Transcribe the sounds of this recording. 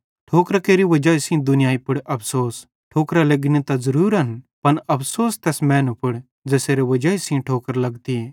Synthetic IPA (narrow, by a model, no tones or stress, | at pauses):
ʈʰoːkɾkeːɾiʋɐd͡ʒaːisĩd̪ʊnɪjaːipɪɽʔɐpʰsoːs | ʈʰoːkɾaleɡnĩt̪azɐɾuːɾɐnpɐnɐpʰsoːst̪ɛːsmɛ̃ːnũpɪɽ | d͡zɛːseːɾeʋɐd͡ʒaːisĩʈʰoːkəɾlɐɡt̪i